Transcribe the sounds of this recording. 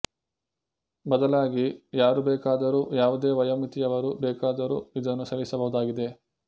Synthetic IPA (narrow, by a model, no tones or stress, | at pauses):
bɐd̪ɐlaːɡijaːɾubɛːkaːd̪ɐɾuːjaːʋud̪eːʋɐjɐmit̪ijɐʋɐɾuːbɛːkaːd̪ɐɾṵːid̪ɐnːusɐlisɐbɐɦud̪aːɡid̪e̞